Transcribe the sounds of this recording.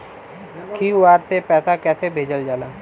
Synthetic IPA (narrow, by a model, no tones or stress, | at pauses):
kʰiːʋaːɾsepɛːsakɛːsebʱeːd͡ʒəld͡ʒaːlaː